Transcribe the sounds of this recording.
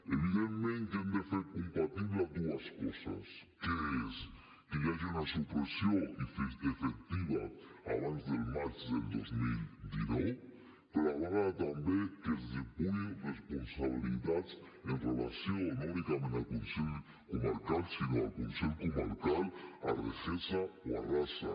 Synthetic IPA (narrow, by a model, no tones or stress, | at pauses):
eβiðemmẽnt̪eand̪efeɾkompat̪iβlad̪uaskosa̰skees | kejaʒaunasupɾesjoifeefek̚t̪iβa̰a̰βanzðelmaɾt̪ðeld̪ozmild̪inow | peɾoaβaɾat̪ambekezd̪epujeresponsaβ̞iliðat͡s | enrela̰sjonolikamenalkonseʎ | komaɾkalsinoa̰lkonseʎkomaɾkala̰rḛxesaoa̰rasa̰